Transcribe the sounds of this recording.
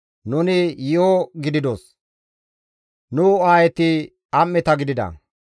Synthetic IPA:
nʊnɪjɪoɡɪd̪ɪd̪oːs | nʊaːjɛt̪ɪ | ɐmːɛt̪ɐɡɪd̪ɪd̪ɐ̰

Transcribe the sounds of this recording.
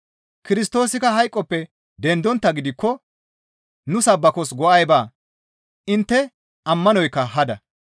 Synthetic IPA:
kɪɾɪst̪o̞ːsɪkɐɦɐjkʼːɔpːɛ | d̪ɛnd̪ɔnt̪ːɐɡɪd̪ɪkːɔ | nʊsɐbːɐkɔs̬ɡɔʔɐjbaː | ʔɪnt̪ːɛ | ʔɐmːɐnɔjkːɐɦɐd̪ɐ

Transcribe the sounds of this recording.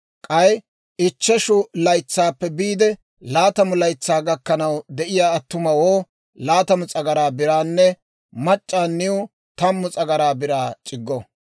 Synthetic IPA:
kʼɐj | ɪt͡ʃːɛʃʊlɐjt͡sːaːpːɛbiːd̪ɛ | laːt̪ɐmʊlɐjt͡sːaːɡɐkːɐnɐwd̪ɛʔɪjaːt̪ːʊmɐwoː | laːt̪ɐmʊt͡sʼɐɡɐɾaːbɪɾaːnːɛ | mɐt͡ʃʼːaːnːɪʊ | t̪ɐmːʊt͡sʼɐɡɐɾaːbɪɾaːt͡ʃʼɪɡːɔ

